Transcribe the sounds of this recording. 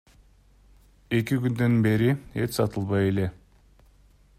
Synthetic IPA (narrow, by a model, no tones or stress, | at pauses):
e̞kʲikynd̪ø̞nbe̞ɾiet̪sɑt̪əlˠβɑje̞le̞